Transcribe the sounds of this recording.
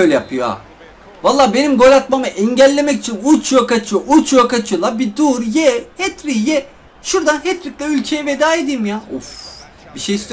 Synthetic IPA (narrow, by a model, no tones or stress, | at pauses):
øjlʲɛjapʰɯjoa̰ | valˠːaːbe̞nimɡo̞lʲat̪mamɯʔɛɲɟælʲːe̞mɛcit͡ʃʰinut͡ʃʰjokat͡ʃʰɯjoʔut͡ʃjokat͡ʃʰɯjo̞lˠabid̪uɾjɛhɛt̪ɾijɛ | ʃuɾd̪anɦɛt̪ɾiclʲɛylʲcʰejɛve̞d̪aːed̪imjaṵf | biʃejist̪ʰe